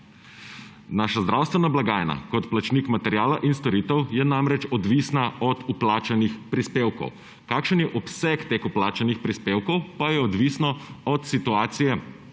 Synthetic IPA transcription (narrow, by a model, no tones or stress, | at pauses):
naːʃazd̪ɾaːwst̪ʋɛnablaɡaːjna̰kɔt̪plat͡ʃnikmat̪ɛɾjaːlaʔinst̪ɔɾiːt̪ɛwjɛnamɾɛt͡ʃɔd̪ʋisnaɔt̪uplaːt͡ʃanixpɾispeːwkɔ̰w | kaːkʃənjɛʔɔpsɛkt̪eːxuplaːt͡ʃanixpɾispeːwkɔwpajɛɔd̪ʋisnɔɔt̪sit̪uaːt̪sijɛ